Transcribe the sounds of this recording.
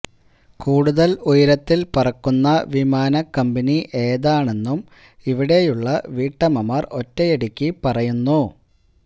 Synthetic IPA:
kuːɽuðɐlujɐɾɐt̪ːilpɐrɐkːunːɐʋimaːnɐkɐmbɐniʔe̞ːðaːɳe̞nːum | iʋiɽe̞juɭːɐʋiːʈːɐmɐmaːro̞tːɐjeɽikʲːipɐrɐjunːu

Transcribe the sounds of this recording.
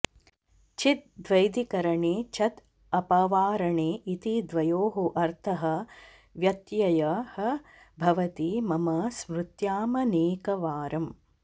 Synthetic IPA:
t͡ʃit̪̚d̪ʋɐjd̪ikɐɾɐɳeːt͡ʃʰɐt̪ | ɐpɐʋaːɾɐɳeːʔit̪id̪ʋɐjoːɦuʔɐɾt̪ʰɐɦɐ̆ | ʋjɐt̪jɐjɐhɐ | bʱɐʋɐt̪imɐmɐsmɾut̪jaːmɐneːkɐʋaːɾɐm

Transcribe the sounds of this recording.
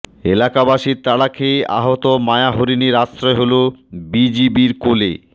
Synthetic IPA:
ḛlakabaʃiɾt̪aɽakʰeja̰ɦot̪omaeaɦoɾiniɾasɾɔeɦolobid͡ʑibiɾkolḛ

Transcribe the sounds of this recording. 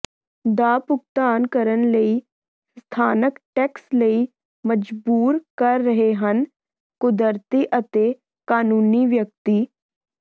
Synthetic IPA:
d̪aːpʊkt̪aːnkəɾənləi | st̪ʰaːnəkʈɛːksləi | məd͡ʒbuːɾkəɾːəɦeɦən | kʊd̪əɾt̪iʔət̪e | kaːnuːniʋjək̚t̪i

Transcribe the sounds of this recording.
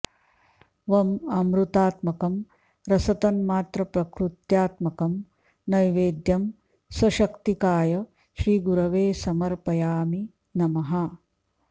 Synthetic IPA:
ʋɐmɐmɾut̪aːt̪mɐkɐm | ɾɐsɐt̪ɐnmaːt̪ɾɐpɾɐkɾut̪jaːt̪mɐkɐm | nɐjʋeːd̪jɐm | sɐʃɐkt̪ikaːjɐ | ʃɾiːɡuɾɐʋeːsɐmɐɾpɐjaːmi | nɐmɐɦa

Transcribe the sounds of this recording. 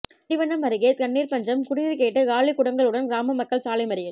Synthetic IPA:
ɪʋɐnːɐmɐɾɯɣeːt̪̚kɐnːiːɾpɐɲd͡ʒɐmkʊɽɪnɾɯkeːʈːɯkaːɭɪkʊɽɐŋɡɐɭɯɽɐnɡɾaːmɐmɐkːɐɭsaːlɐɪmɐɾɪjɪl

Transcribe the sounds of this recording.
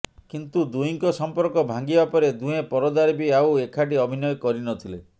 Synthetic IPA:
kint̪ud̪uiŋkɔsɔmpɔɾkɔbʱaŋɡibapɔɾed̪uɦẽpɔɾɔd̪aɾbiawekʰaʈiɔbʱinɔjɔkɔɾinɔt̪ʰile

